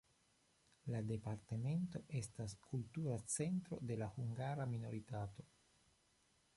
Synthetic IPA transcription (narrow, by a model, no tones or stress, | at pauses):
lade̞paɾteme̞nto̞ʔe̞staskultuɾat͡se̞ntɾo̞̰de̞lahuŋɡaɾamino̞ɾitato̞